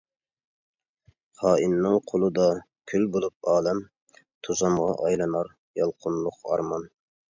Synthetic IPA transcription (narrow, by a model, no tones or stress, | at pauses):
χɑːʔinːɨŋqʰolˠɨd̪ɑ | kʲʰylbolˠup̚ɑːlɛm | t̪ʰuzɑmʁɑʔɑjlˠɨnɑɾ | jɑlˠqʰʊnlˠʊqɑ̰ɾmɑn